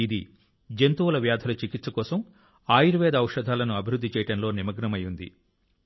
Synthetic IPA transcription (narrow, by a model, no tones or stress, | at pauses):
id̪ḭ | d͡ʒent̪uʋɐlɐʋjaːd̪ʰʱɐlɐt͡ʃikit̪sɐkɔːsɐm | aːjuɾuʋɛːd̪ɐɐwʂɐd̪ʱaːlɐnuɐbʱiɾud̪ʱːit͡ʃɛːjɐʈɐnlo̞ːnimɐɡnɐmɐjund̪ḭ